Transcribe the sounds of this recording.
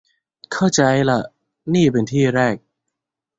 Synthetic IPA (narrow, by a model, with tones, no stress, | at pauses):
kʰa˥˩wt͡ɕa˧jla˨˩ʔ | niː˥˩pe˧nt̪ʰiː˥˩ɾɛː˥˩k̚